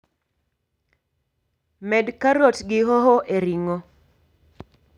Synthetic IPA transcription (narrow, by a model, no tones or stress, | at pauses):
mɛdkaɾotɡɪɦɔɦɔʔeɾiŋo